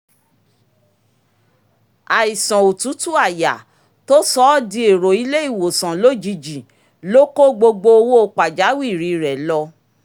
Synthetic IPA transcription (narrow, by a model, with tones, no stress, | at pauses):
a˨i˨sã˨o˨tu˨˦tu˦a˦˨ja˨ | to˦sɔ˦di˦e˨ɾo˨i˦le˦i˦˨wo˨sã˨lo˦˨d͡ʒi˧d͡ʒi˨ | lo˦ko˦ɡ͡bo˧ɡ͡bo˧˦o˧wo˦o˧k͡pa˨d͡ʒa˨˦wi˦˨ɾi˨˧˨ɾɛ˨lɔ˧